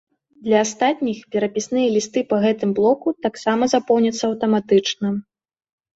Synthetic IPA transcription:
d̪lʲɐːst̪at̪̚ʲnʲixpʲɛɾɐpʲisnɨjɐlʲist̪ɨpɐɣɛt̪ɨmblˠɔkut̪aksamɐzapɔwnʲɐt̪sːɐɐwt̪ɐmat̪ɨt͡ʂnɐ

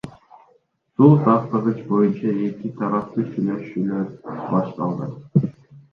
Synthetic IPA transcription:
suːsɑqt̪əʁɯt͡ʃbo̞junt͡ʃɑe̞kit̪ʰɑɾɑp̚t̪uʃynøʃynøbɑʃt̪ɑlˠd̪ɯ

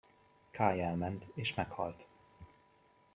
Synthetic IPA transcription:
kʰaːjɛlmɛnt̪eːʃmɛkhɒ̰lt̪

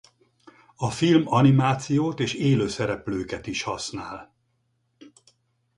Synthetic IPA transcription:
ɒfilmɒnimaːt̪sijoːt̪eːʃeːløːsɛɾɛpløːkɛt̪iʃhɒsnaːl

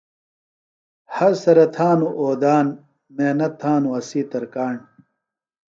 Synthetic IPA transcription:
hɐɾsɐɾɐt̪ʰaːnuʔoːd̪aːn | meːnɐt̪ʰːaːnuɐsiːt̪ɐɾkaːɳ

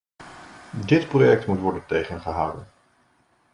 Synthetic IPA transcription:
dɪtprojɛk̚tmutʋɔɹdəntejχənχəɦaːwdən

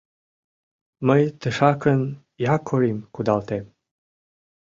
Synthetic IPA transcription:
məjt̪əʃɑkən | jakʰoɾimkud̪alt̪em

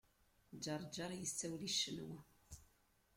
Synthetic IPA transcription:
d͡ʒɑɾˤd͡ʒɑɾˤjəsːæwliʃːənw

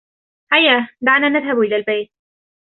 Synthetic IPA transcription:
hajːad̪aʕnaːnaðhabʔɪlaːlbajt̪̚

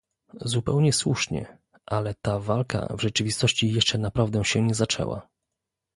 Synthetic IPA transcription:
zupɛ̰wɲɛswṵʂɲɛ̰ | ʔalɛt̪avalka̰vʐɛt͡ʂɘvʲist̪ɔɕt͡ɕijɛʂt͡ʂɛnapɾavd̪ɛɕɛɲɛzat͡ʂɛ̰wa̰

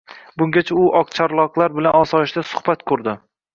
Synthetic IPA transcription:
bʊŋɡʲat͡ʃʰaʊʔɒqt͡ʃʰaɾlˠɒqlˠaɾbɪlanɒsɒɪʃd̪asʊ̥hb̥at̪kʰʊɾd̪ɪ

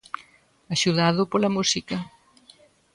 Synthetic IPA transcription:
aʃuðaðʊpolɐmusikɐ

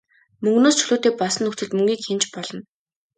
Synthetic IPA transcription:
mɵŋɡnoːst͡ɕʰɵ̥ɮoːt̪eːpɔsə̆nːɵxt͡sɵ̆ɮt̪mɵŋɡʲiːkxent͡ɕpɔɮɞ̆n

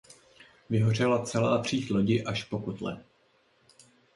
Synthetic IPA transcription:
vɪɦo̞r̝ɛlat͡sɛlaːt̪r̝̥iːxlo̞ɟɪʔaʃpo̞kot̪lɛ̰

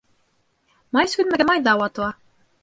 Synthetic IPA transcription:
mɑjsʉnmɘ̆ɡɘmɑjd̪ɑwɑt̪uɑ

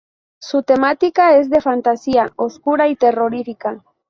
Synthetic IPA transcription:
sut̪e̞mat̪ikae̞zðe̞fant̪asiaoskuɾait̪e̞ro̞ɾifika

